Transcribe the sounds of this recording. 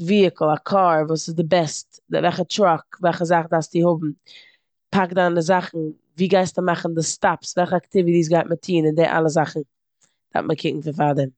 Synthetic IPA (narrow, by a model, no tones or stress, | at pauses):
viːəkl̩ˠakʰaːɾvuːsɪzdɪbɛst | dvɛlχətɾɔkvɛlˠχəzaχdaːsdihʊbm̩ | pʰakdandɪzaχn̩ | viːɡaɪstəmaχn̩dɪstapsvɛlˠχəaktɪvitiːs̬ɡaɪt̚mətʰiːnɪndeːʔa̰lˠəzaχn̩ | d̥a̰ftməkʰɪkŋ̩fɪnfadəm